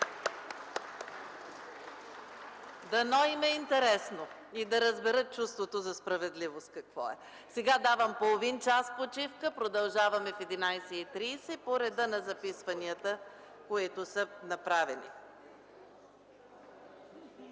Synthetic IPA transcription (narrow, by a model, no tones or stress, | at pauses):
d̪ɐnɔimɛint̪ɛɾɛsno | id̪ɐɾəzbɛɾət̪̚t͡ʃust̪vot̪ozɐspɾɐvɛd̪livost̪̚kɐkvɔ̰ɛ | sɛɡad̪avɐmpolˠovint͡ʃaspot͡ʃifkəpɾod̪ɐlˠʒavɐmɛfɛd̪inajsɛit̪ɾiːsɛpoɾɛd̪ənɐzɐpisvɐniət̪ə | koit̪ʊsənɐpɾavɛnḭ